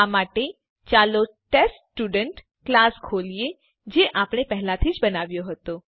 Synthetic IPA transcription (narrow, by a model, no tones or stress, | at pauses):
amaːʈe | t͡ʃalo | ʈes | ʈuɖəɳʈ | klaːskʰolije | d͡ʒeʔaːpɽ̃epɛɦlãt̪ʰiːd͡ʒbənaːʋjoɦət̪o